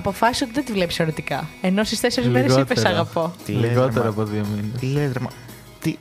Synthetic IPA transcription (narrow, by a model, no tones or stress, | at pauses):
ɐpo̞fɐsiso̞t̪iðed̪ivle̞pi̥seoɾit̪ikɐeno̞st̪ist̪e̞seɾizmeɾesipesɐɣɐpo̞liɣo̞t̪eɾɐːpoðiominesilet̪ɾɐmɐ | t̪i